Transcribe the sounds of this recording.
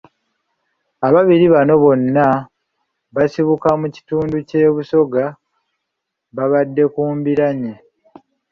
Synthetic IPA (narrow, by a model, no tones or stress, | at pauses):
aβaβiɾiβano̞βo̞nːa | βasiβukamuci̥tuːnduce̞ːβuso̞ɡa | βaβadːe̞kuːmbiɾaɲe